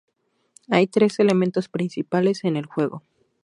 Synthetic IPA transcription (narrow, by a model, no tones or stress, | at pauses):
ajt̪ɾe̞se̞le̞ment̪o̞spɾinsipale̞se̞ne̞lxwe̞ɣo̞̰